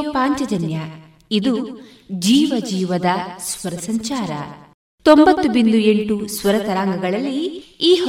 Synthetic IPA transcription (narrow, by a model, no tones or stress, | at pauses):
paːɲt͡ʃɐd͡ʒɐnjɐ | id̪u | d͡ʒiːʋɐd͡ʒiːʋɐd̪ɐsʋɐɾɐsɐɲt͡ʃaːɾɐ̰ | t̪ombɐt̪ːubind̪ue̞ɳʈusʋɐɾɐt̪ɐɾaːŋɡɐɡɐɭɐlːiiːɦ